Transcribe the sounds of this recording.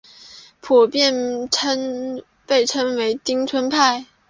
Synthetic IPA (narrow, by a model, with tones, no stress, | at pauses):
pʰu˨˩pjɛ˥˧nʰə˥n | pe˥˩ɪʈ͡ʂʰə˥nwe˧˥ɪt̪i˥ŋt͡sʰwə˥npʰa˥˩ɪ